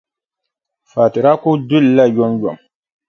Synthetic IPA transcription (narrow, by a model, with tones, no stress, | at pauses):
faː˨ti˨ɾa˦ku˦du˦lla˦jɔ˦mjɔ̰˨m